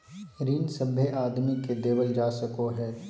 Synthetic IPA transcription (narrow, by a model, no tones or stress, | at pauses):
ɾiːnsəbʱjəʔaːd̪miked̪eːwəld͡ʒaːsɐkoɦɛː